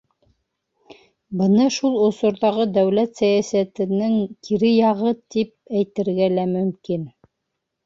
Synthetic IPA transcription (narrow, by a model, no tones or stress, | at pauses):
bɤnɑʃulˠŏsŏɾðɑʁɤd̪æwlæt̪sæjæsæt̪ɘ̆nɘŋkʰiɾɘjɑʁɤt̪ip̚æjt̪ɘ̆ɾɡælæmɵ̆mkin